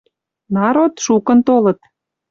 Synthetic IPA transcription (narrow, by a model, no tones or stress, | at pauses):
nɑɾot̪ʃukə̆nt̪olɤ̆t̪